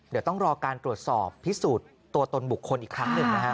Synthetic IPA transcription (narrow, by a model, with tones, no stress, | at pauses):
d̪i˨˩˦wt̪ɔ˥˩ŋɾɔː˧kaː˧nt̪ɾu˨˩ə˩t̪̚sɔː˨˩pʰːi˦˥suː˨˩t̪ːu˧ɐt̪o˧nbu˨˩kʰːo˧nʔiː˨˩kʰːɾa˦˥ŋnɯ˧ŋna˦˥kʰa˦˥